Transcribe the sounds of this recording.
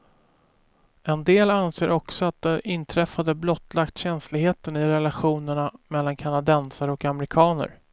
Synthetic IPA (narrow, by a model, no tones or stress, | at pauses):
ɛnd̪eːlanseːɾʔɔksɔat̪̚d̪ɛʔɪnt̪ʰɾɛfːad̪əblɔt̪ːlakt̪ɕɛnslɪɡheːt̪ənɪɾɛlaɧuːnəɳamɛlːankʰanad̪ɛnsaɾɔkamɾɪkʰɑːnə̰ɾ